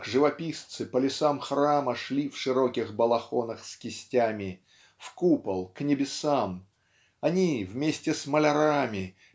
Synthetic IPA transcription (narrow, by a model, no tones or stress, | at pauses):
kʐɨvɐpʲist̪sɨpəlʲɪsamxraməʂlʲifʂɨɾokʲɪxbəlˠɐxonəxskʲɪsʲtʲamʲɪ | fkupəlˠknʲɪbʲɪsam | ɐnʲivmʲesʲtʲɪsməlʲɐɾamʲɪ